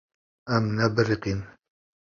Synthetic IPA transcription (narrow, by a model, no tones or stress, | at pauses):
ʔamnabɾɪqɪn